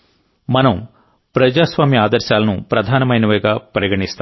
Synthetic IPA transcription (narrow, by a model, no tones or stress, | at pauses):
mɐnɐm | pɾɐd͡ʒaːsʋaːmiaːd̪ɐɾʃaːlɐnupɾɐd̪ʱaːnɐmɐjnɐʋɐjɡaːpɐɾɐɡɐɳist̪a